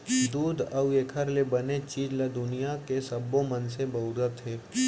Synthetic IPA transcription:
d̪uːd̪ɐwekʰəɾlebɐnet͡ʃiːd͡ʒlɐd̪ʊnijakesɐbːõmənsebɐʊɾət̪ɦeː

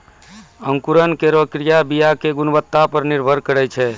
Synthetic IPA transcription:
əŋkuɾənkeɾokɾijabijakeɡunbət̪ːapəɾniɾbʱəɾkəɾɛt͡ʃʰɛ

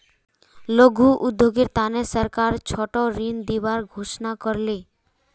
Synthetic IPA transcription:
loɡʱuʔud̪ːjoɡeɾt̪anesəɾkaɾt͡ʃʰɔʈoɾind̪ibaɾɡʱoʃnakɔɾle

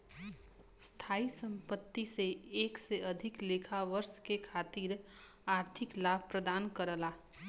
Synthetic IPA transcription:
st̪ʰaːisə̃mpət̪ːiseeːkseʔəd̪ʱɪkleːkʰaʋəɾʃkekʰaːt̪iɾ | aːɾt̪ʰɪklaːbʱpɾəd̪aːnkəɾəlaː

